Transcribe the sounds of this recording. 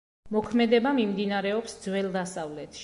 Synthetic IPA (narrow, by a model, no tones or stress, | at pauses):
mɔkʰmɛd̪ɛbamimd̪inaɾɛɔpsd̪zwɛlˠd̪asavlɛt̪ʰʃ